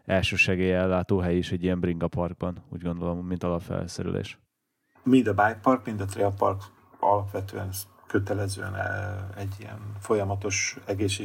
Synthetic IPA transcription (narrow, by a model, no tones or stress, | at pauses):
ɛlʃøːʃɛɡeːjɛlːaːt̪oːɦɛjiʃɛɟːijɛmbriŋɡɒpɒrɡ̚bɒnṵːɟɡo̞nd̪o̞lo̞mːint̪ɒzɒfɛ̰lsɛ̰ɾy̰lʔḛːʃ | mind̪ɒbaːjpɒrkmind̪ɒt̪ɾeɒpɒrk | ɒ̰lɒpʋɛt̪ø̰ːɛn | køt̪ɛlɛzø̰ːɛnɛ̰ɛɟːijɛ̰nfo̞jɒmɒt̪o̞ʃɛɡeːʃ̬e